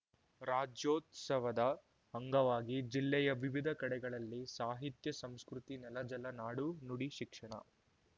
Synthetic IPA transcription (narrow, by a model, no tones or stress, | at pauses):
ɾaːd͡ʒjoːt̪sɐʋɐd̪ɐ | ɐŋɡɐʋaːɡid͡ʒilːɛjɐʋiʋid̪ʱɐkɐɽɛɡɐɭɐlːisaːɦit̪jɐsɐmskɾut̪inɛlɐd͡ʒɐlɐnaːɽunuɽiʃikʂɐɳɐ̰